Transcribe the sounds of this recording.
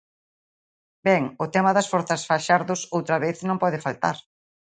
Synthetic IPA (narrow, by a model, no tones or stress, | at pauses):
bɛŋʊt̪ɛmɐðɐsfoɾθɐsfaʃaɾðʊsowt̪ɾɐβeθnõmpɔðɪfalt̪a̰ɾ